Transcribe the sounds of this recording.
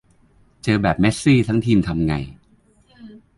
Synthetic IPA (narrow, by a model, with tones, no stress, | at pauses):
t͡ɕɤː˧bɛː˨˩p̚me˦˥t̪̚siː˥˩t̪ʰa˦˥ŋt̪ʰiː˧mt̪ʰa˧mŋa̰˧j